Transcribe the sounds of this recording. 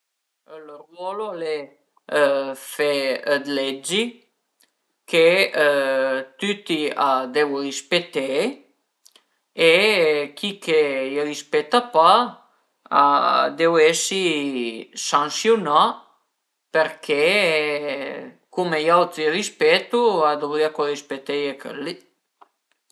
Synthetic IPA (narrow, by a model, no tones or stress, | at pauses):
lərwɔlole | fed̪led͡ʒi | kʰe | t̪yt̪iad̪ewɾispet̪e | ekikʰejɾispɛt̪apa | a̰d̪ewɛsi | sãŋsjuna | peɾkʰe | kumejawt̪ɾiɾispɛt̪uad̪obɾiakoɾispet̪ejekʰə̰lːi